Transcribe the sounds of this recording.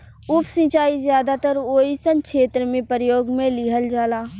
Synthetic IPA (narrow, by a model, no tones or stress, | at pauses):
ʊpʰsə̃t͡ʃaːizjaːd̪at̪əɾoːisə̃nʃeːt̪ɾəmẽpəɾjoːɡmẽlɪɦəld͡ʒaːlaː